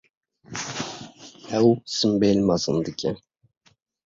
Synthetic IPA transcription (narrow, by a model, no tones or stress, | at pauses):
æwsɨmbelʲmazɨnd̪ɨkʲʰɛ